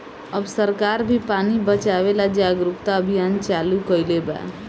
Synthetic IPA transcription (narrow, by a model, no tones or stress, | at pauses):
əbsəɾkaɾbʱipanibət͡ʃaβelad͡ʒaɡɾupt̪aəbʱijant͡ʃalukəjleba̰